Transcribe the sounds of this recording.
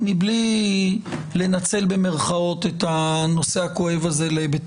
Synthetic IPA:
mibli | le̞nat͡se̞lbe̞me̞ʁχao̞tet̪hano̞se̞ako̞e̞vaze̞lebe

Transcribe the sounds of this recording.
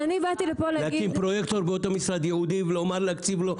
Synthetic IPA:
anibat̪ilepolalakinpɾojekt̪oɾbeot̪omisɾad̪jehud̪ivlomaɾleakt͡sivlo

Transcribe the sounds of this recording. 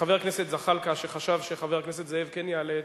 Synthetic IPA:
χave̞ʁkneset̪zaχalkaʃeχaʃavʃeχaveʁkneset̪zeevkenjaled̪

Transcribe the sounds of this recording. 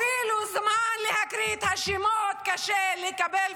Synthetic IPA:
iːluzamaːnlɪhakɾiːt̪haʃimoːt̪kaʃelɪkabel

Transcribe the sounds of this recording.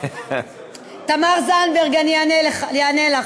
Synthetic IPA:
t̪amaʁzanbeʁɡannejanela

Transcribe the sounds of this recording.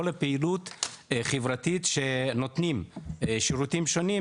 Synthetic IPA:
olepeilut̪χevʁat̪it̪ʃenot̪nimʃiʁut̪imʃo̞ni

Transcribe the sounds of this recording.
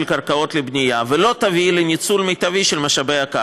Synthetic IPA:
lkaʁkao̞t̪lebnijavelo̞t̪avilenit͡sulmejt̪aviʃelmaʃabejaka

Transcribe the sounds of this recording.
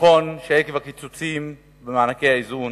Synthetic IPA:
onʃeekevakit͡sut͡sim | bemaːnakeaizun

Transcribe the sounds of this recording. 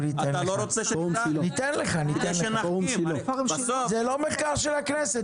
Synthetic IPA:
nit̪enaloɾot͡seʃomilonit̪enleχanit̪enleomʃilosozɛlomeχkaʁʃelaknɛse

